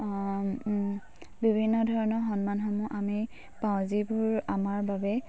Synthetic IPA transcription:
bibʱinːɔdʱɔɹɔnɔxɔnmanxɔmuʔami | paw̃zibʊɹamaɹbabɛ

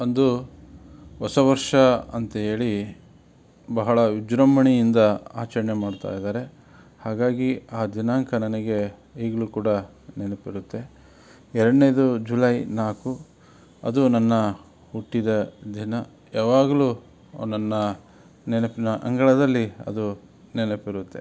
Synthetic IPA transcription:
ɐnd̪u | ʋɔsɐʋɐɾʂɐɐnt̪ɐɦe̞ːɭi | bɐɦɐɭɐud͡ʒɾɐmbɐɳijind̪ɐa̰ːt͡ʃɐɾɐɳemaːɽt̪a̰ːjd̪aːɾe̞ | haːɡaːɡiaːd̪inaːŋkʰɐnɐnɐɡe̞ | iːɡɐɭuːkuːɽɐ | nɛnɐpiɾut̪ːe̞ | ɛɾɐɽnejd̪ud͡ʒulɐjnaːku | ɐ̰d̪unɐnːɐ | huʈːid̪ɐd̪inɐ | jaːʋaːɡɐluː | nɐnːɐ | nɛnɐpinɐʔɐ̰ŋɡɐɭɐd̪ɐlːiɐ̰d̪u | nɛnɐpiɾut̪ːe̞

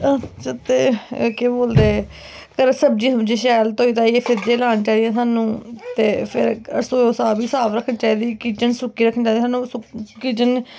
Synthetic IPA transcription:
t͡ʃət̪eːkeːboːld̪eː | kəɾsəb̚d͡ʒiːsəmd͡ʒeːʃɛːlt̪oːiːt̪ãːieːpʰɪd̪eːlaːnt͡ʃaːid̪ijãːsaːnũːt̪eːpʰɪɾə̰ɾsoːoːsaːbiːsaːʋɾəkʰːənt͡ʃaːid̪iːkiːt͡ʃənsʊkːiːɾəkʰːənt͡ʃãːd̪ːsaːnũːsʊkiːt͡ʃən

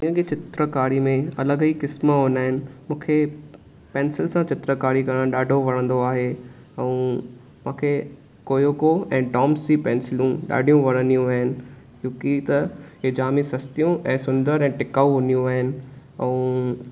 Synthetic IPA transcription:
ĩːə̃ket͡ɕɪt̪ɾəkaːɾimẽɐləɡiːkɪsməɦoːnaːɦɪnɪ̆mũːkʰe | pɛ̃ːnsɪlsãt͡ɕɪt̪ɾəkaːɾikɐɾə̃ɗaːɖʱoʋɐɽ̃ə̃nd̪oaːɦe | ɛ̃ũ | mãːkʰe | koːjoːkoɛ̃ːɖɔːmsipɛ̃ːnsɪlũɗa̰ːɖʱijũʋɐɽ̤̃ə̃nd̪ijũʋaːɦɪnɪ̆ | kjũːkit̪ɐɦeːd͡ʑaːmisɐst̪ijũʔɛ̃ːsʊ̃nd̪əɾɛ̃ːʈɪkaːuɦʊnijũʋaːɦɪnɪ̆ɛ̃ũ

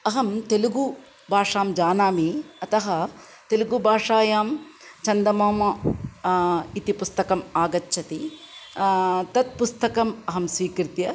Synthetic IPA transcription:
ɐɦɐmt̪eluɡu | bʱaːʂaːmd͡ʒaːnaːmiɐt̪ɐɦɐ | t̪eluɡubʱaːʂaːjaːmt͡ʃɐnd̪ɐmoːmɐ | it̪ipust̪ɐkɐmaːɡɐtːʃʰɐt̪i | t̪ɐt̪̚pust̪ɐkɐmɐɦɐmsʋiːkɾit̪jɐ

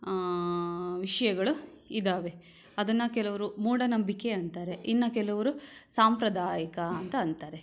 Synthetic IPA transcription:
ʋiʂɐjɐɡɐɭu | id̪aːʋe | ɐd̪ɐnːɐkɛlɐʋɐɾumuːɽɐnɐmbikːe̞ɐnt̪aːɾe̞ʔinːɐkɛlɐʋɐɾusaːmpɾɐd̪aːjɐkɐɐnt̪ɐːnt̪aːɾe

